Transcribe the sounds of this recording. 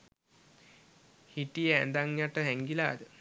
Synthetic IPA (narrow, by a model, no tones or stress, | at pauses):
hiʈijəænd̪aŋjaʈəɦɛŋɡila̰ːd̪ə